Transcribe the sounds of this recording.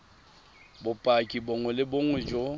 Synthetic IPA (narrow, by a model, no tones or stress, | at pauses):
bʊpʼakʼiboŋwɛlɪboŋɛd͡ʒo